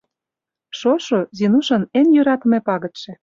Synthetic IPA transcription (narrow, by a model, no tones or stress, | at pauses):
ʃoʃozinuʃɤ̆nenjøɾɑt̪ə̆mĕpɑɣɤ̆t̪ʃĕ